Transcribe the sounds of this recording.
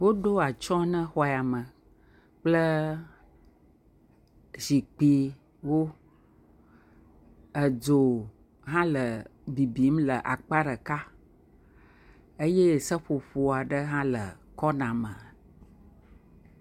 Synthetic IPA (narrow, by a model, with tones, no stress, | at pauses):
wo˦ɖo˦a˨t͡ʃɔ̃˦nə̃˦xɔ˦˨a˨mə˨ | k͡plə˦ | zi˨k͡pi˨ | wo˦ | ə˨d͡ʒo˨ | ɦã˦lə˨bi˨bi˨˦mlə˨ʔa̰˨k͡pa˦ɖə˨ka˦ | e˦je˦˨sə˦ɸo˨ɸo˨a˨ɖə˦ɦã˦lə̰˨kɔ˦nã˨mə̃˨